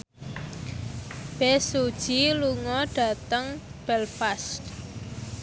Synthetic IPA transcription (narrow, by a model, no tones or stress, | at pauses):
b̥ɛsud̥ʒ̥iluŋɔɖ̥a̤t̪əŋb̥ɛlfast̪